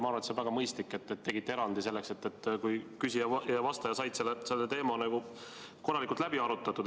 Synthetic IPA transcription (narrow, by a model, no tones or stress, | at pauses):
mɑɾɑt̪sevæɡ̥ɑmɤjst̪likːˑe̞t̪ːet̪ːe̞ɡit̪ːe̞ɾɑnd̪̥ise̞lːekse̞t̪ːet̪ːkujkysijɑjɑvɑst̪ɑjɑsɑjd̪selːese̞lːet̪e̞ːmɑnæɡ̥u | ko̞rɑlikult̪læbiɑɾut̪ːˑɑt̪ːˑud̪